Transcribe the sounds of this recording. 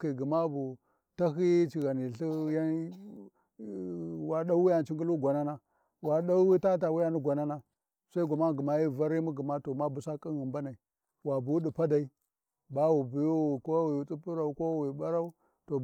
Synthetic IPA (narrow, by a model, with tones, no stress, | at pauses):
ki˨ɡi˨ma˦bu˨ | ta˦ɦi˦t͡ʃi˨ɣa˨ni˨ɬi˦ja˦ | wa˦ɗa˦wi˦ja˨n˨t͡ʃi˦ŋɡu˦lu˦ɡʷa˨na˦na˦ | wa˨ɗa˦wi˦ta˦ta˨wi˦ja˦ni˦ɡʷa˨na˦na˦ | sa˦i˦ɡʷa˨ma˦˨ɡu˨ma˨ji˦˨va˦ɾi˦mu˦ɡi˨ma˦to˨ma˦bu˨sa˦kʼi˦ɣi˨mba˦na˨i˨ | wa˨bu˦di˨pa˦da˨i˦ | ba˦wu˨bi˨ju˦˨ko˦wi˨t͡sʼi˦pu˦ɾa˨u˨ko˦wi˨ɓa˦ɾa˦u˦ | to˨